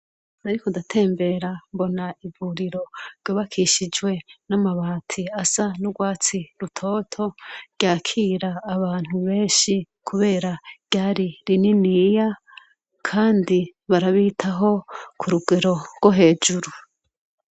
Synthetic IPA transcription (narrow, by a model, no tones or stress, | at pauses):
aɾikodatʰe̞ːmbe̞ɾambo̞naivuɾiɾo̞ɾɟoːβakʰiʃid͡ʒwe̞namaβaːtʰiasanuɡwaːt͡siɾutʰo̞ːtʰo̞ɾɟ̥aːkʰiːɾaːβaːn̥huβe̞ːʃi | kʰuβe̞ːɾaɡ̥ɟaːɾiɾininija | kʰaːndiβaɾaβiːtʰaɦo̞kʰuɾuɡe̞ɾo̞ɾɡwoɦe̞ːd͡ʒuɾu